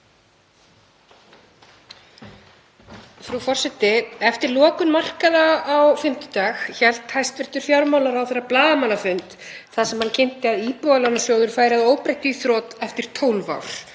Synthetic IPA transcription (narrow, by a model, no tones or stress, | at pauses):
fɾufɔr̥sɛt̪ɪɛft̪ɪɾlɔːkʏnmar̥kaðaːwfɪm̥t̪ʏ̥t̪aːxçɛl̥t̪hajst̪vɪr̥t̪ʏɾ̥fjawɾmawlaɾawθerːaplaːðamanːafʏnt̪ | θaðsɛmhancʰɪnt̪ɪaðiːpɔalanːasjoːwðʏɾ̥faːjɾɪaðoːwpɾejht̪ʏθɾɔːt̪ɛft̪ɪɾ̥t̪ʰoːwnva̰wɾ̥